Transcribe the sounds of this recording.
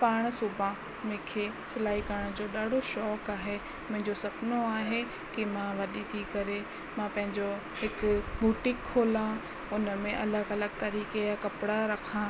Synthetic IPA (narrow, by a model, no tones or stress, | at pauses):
paːɽ̃sʊbʱã | mẽkʰeːsɪlaːikɐɾəɽ̃d͡ʑoːɗaːɽʱoʃɔːkaːɦe | mʊ̃ɦɪ̃ɲd͡ʑosɐbnoaːɦe | kimãʋɐɗit̪ʰikɐɾe | mãpɐ̃ɦɪ̃ɲd͡ʑo | ɦɪkʊbʱuːʈɪkʰːoːlã | ʊnəmẽʔɐləɡɐləɡ̚t̪aɾiːkeakɐpɪɽaɾɐkʰã